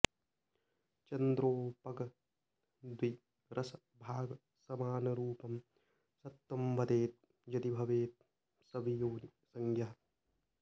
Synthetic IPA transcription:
t͡ʃɐnd̪ɾoːpɐɡɐ | d̪ʋi | ɾʔɐsɐ | bʱaːɡɐ | sɐmaːnɐɾuːpɐm | sɐt̪ːɐmʋɐd̪eːt̪̚ | jɐt̪ibʱɐʋeːt̪̚ | sɐbijoːnisɐŋɡjɐɦɐ

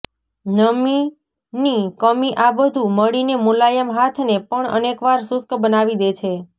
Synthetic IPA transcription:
nəmi | nikəmiʔabəd̪ʱuməɽinemulajəmɦat̪ʰnepəɳə̰nekʋaɾsʊskbənaʋid̪et͡ʃʰe

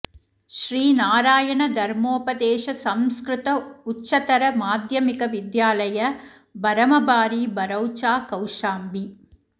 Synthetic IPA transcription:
ʃɾiːnaːɾaːjɐɳɐd̪ʱɐɾmoːpɐd̪eːʃɐsɐmskɾɪt̪ɐut͡ʃːt͡ʃːɐt̪ɐɾɐmaːd̪jɐmikɐʋɪd̪jaːlɐjɐ | bɐɾɐmɐbaːɾibɐɾɐwt͡ʃaːkɐwʂaːmbi

